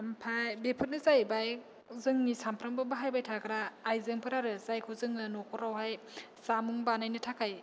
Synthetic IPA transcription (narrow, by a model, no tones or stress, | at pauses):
mpʰajbepʰɯt̚nɯzajbaj | zɯŋnisampʰɾaŋbɯbaɦajbajtʰakʰɾaːjzɯŋpʰɯɾaɾɯzajkʰuwzɯŋnɯnokʰɔɾawɦaj | samuŋbanajnɯtʰakʰaj